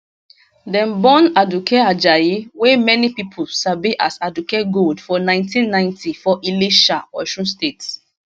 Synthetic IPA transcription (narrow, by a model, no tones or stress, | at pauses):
dɛ̃nbɔ̃nadukʰɛad͡ʒajiwemɛnipipʰolsabiʔasadukeɡoldfɔnãɪ̃ntĩnːãɪ̃ntʰifɔʔiliʃaɔʃɔ̃nstets